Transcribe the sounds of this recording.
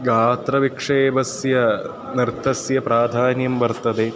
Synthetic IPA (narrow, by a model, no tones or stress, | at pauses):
ɡʱaːt̪ɾɐʋikʂeːbɐsjɐ | niɾt̪ʰːɐsjɐpɾaːd̪ʱaːnjɐmbɐɾt̪ɐd̪e